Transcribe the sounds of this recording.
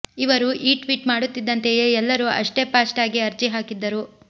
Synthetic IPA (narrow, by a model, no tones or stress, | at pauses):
iʋɐɾuʔiːʈʋiːʈmaːɽut̪ːid̪ːɐnt̪ejeɛlːɐɾuʔɐ̰ʂʈe̞paːsʈaːɡiɐɾd͡ʒiɦaːkid̪ːɐɾu